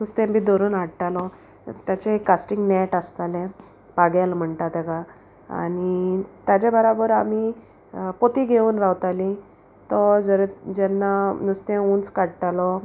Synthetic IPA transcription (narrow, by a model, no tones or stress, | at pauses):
nust̪ɛ̃bid̪oɾuːnaɽʈalɔ | t̪jat͡ɕeekːasʈiŋɡnɛʈast̪alẽ | paɡjalm̤əɳt̪at̪eɡa | a̰nit̪ad͡ʑabəɾobəɾami | pot̪iɡʱeuːnɾawt̪alĩ | t̪ɔd͡zəɾd͡ʑɛnːanust̪ẽũnt͡skaɽʈalɔ